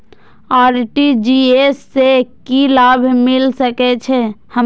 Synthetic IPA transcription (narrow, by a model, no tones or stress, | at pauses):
aːɾʈid͡ʒiesːekilabʱmɪlsəkɛt͡ʃʰɛhə